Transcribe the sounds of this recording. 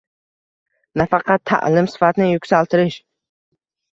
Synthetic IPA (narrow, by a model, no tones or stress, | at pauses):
nafɑqʰɑt̪ʰːa̰ʔlɪmsɪ̥fat̪nɪjʊksalˠt̪ʰɪɾɪʃ